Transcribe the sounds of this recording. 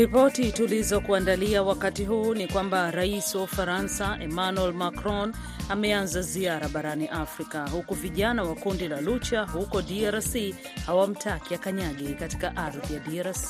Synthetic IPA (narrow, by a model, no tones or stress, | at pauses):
ɾipɔtitulizɔkuandaliawakatiɦuːnikwambaɾaisiwaufaɾansaʔɛmanuɛlmakɾɔn | amɛanzaziaɾaɓaɾaniʔafɾikahukuviʄanawakundilalut͡ʃahukɔdiaɾsi | hawam̩tʰakiakaɲaɠɛkati̥kaʔaɾðijadiaɾasi̥